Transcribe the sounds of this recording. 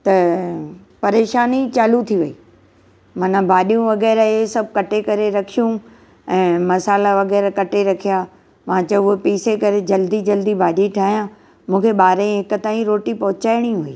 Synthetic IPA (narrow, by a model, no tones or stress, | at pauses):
t̪ɐ | pɐɾeːʃaːnit͡ɕaːlut̪ʰiʋɐḭː | mɐnabʱaːɗijũʋɐɣɛːɾesɐb̚ʱkɐʈekɐɾeɾɐkʰijũ | ɛ̃ːmɐsaːlaʋɐɣɛːɾkɐʈeɾɐkʰija | ʋãːt͡ɕɐʊɦepiːsekɐɾed͡ʑɐld̪id͡ʑɐld̪ibʱaːɗiʈʰaːɦijã | mũːkʰeɓaːɾ̃ɦɪkʊ̆t̪aːĩɾoːʈipɐɦʊt͡ɕaːɪɽ̃iɦuiː